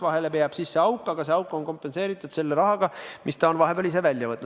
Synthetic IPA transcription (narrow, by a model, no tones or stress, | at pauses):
vɑɦe̞lepeɑb̥sisːe̞ɑwkːˑɑɡ̥ɑse̞ɑwkːˑo̞nko̞mpːˑe̞nse̞ːɾit̪ːˑud̪̥se̞lːe̞ɾɑɦɑɡ̥ɑmʔist̪ɑonvɑɦe̞belis̬evælʲjɑvɤt̪nu